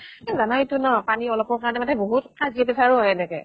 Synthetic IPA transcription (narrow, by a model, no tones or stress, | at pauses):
kizanawtʊnɔpaniɔlɔpɔɹkaɹɔnɛmatɛboɦutkaziɛbɛsʰaɹʊɔɛnɛkɛ